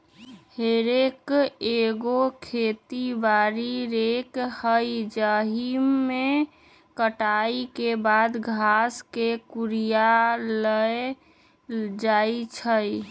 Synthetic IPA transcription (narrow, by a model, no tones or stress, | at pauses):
heɾekeɡokʰet̪ibaːɾiɾekhəid͡ʒəɦimẽ | kəʈaikebad̪ɡʱaskekuɾijaləe | d͡ʒait͡ʃʰə